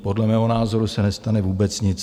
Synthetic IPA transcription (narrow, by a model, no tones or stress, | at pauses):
po̞dlɛmɛːɦo̞naːzo̞ɾusɛnɛst̪anɛvuːbɛt͡sɲɪt͡s